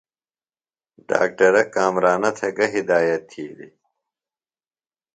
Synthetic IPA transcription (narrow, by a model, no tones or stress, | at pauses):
ɖa̰ːk̚ʈɐɾɐkaːmɾaːnɐt̪ʰɐɡɐɦid̪aːjɐt̪ʰːiːd̪ḭ